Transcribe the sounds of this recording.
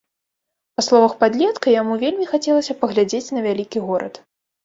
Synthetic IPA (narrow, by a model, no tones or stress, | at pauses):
paslˠɔvɐxpad̪lʲɛt̪kɐjamuvʲelʲmʲixat͡sʲɛlˠɐsʲɐpɐɣlʲad͡zʲet͡sʲnɐvʲalʲikʲiɣɔɾɐ̰t̪